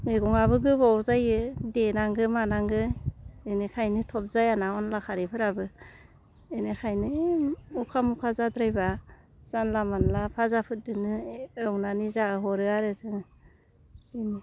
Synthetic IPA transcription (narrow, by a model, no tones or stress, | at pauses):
ŋɯɡɔŋaβɯɡɯbawzajɯdenaŋɡɯmanaŋɡɯenɯkʰajnɯtʰɔp̚zajanaɔnlakʰaɾipʰɯɾabɯ | enɯkʰajnɯukʰamukʰazadɾajba | z̥anlamanlapʰazapʰɯt̚dɯnɯɯwnanizaɯɦɔɾɯaɾɯzɯŋ | eni